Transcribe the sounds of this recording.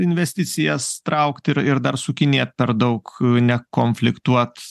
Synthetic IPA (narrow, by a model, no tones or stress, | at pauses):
ɪnʲʋʲɛsʲt̪ʲɪsʲɪjɛst̪ɾɐʊkt̪ɪɾɪɾd̪ɐɾsʊkʲɪnʲeːt̪̚pʲɛɾd̪ɐʊknʲɛkoːnʲfʲlʲɪkt̪uɔt̪